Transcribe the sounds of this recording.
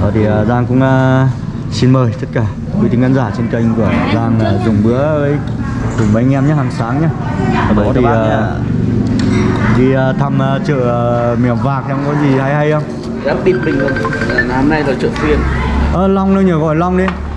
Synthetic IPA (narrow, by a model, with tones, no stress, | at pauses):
ɔ˨˦t̪ʰi˨˩əː˨˩zaː˧ŋkʊ̰˧˥ŋ͡mː | si˧nməː˨˩jt̪ʰə˦˥t̚kaː˧˩ | kwi˨˦t̪ʰi˨˦ŋɣaː˧nzaː˧˩t͡ɕe˧nkə˧jŋ̟ku˧˩əzaː˧ŋaː˨˩zʊ˨˩ŋ͡mɓɨ˨˦əvəː˨˦j | kʊ˨˧˩ŋ͡mvjŋ̟ʔɛ˧mɲaː˧˦haː˨˩ŋsaː˨˦ŋɲaː˧˦ | aː˨˩ɗə˨˦t̪i˨˩əː˨˩ | ɗ̪i˧ə˨˩t̪ʰa˧məː˨t͡ɕə̰ː˧˨ə˨˩mi˧˩ə˨wvaː˨˩k̪̚ʰːŋ͡mkɔ˨˦zi˨˩ha˧jha˧jhə˧wŋ͡m | zaː˨˦ɗi˨˧˩t̚mï˨˩ŋ̟əː˧˨˩naː˨˧˦mna˧jt̪aː˨˦t͡ɕə̰˧˨xwi˧ənʔəː˧˩la˧wŋ͡mnə˧wɲəː˧˩ɣɔ˧˩jla˧wŋ͡mɗi˨˦